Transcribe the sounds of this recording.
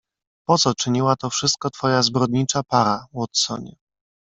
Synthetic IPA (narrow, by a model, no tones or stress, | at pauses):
pɔt̪sɔt͡ʂɘɲiwat̪ɔfʂɘst̪̚kɔt̪fɔjazbɾɔd̪ɲit͡ʂapaɾawɔt̪sɔ̰ɲɛ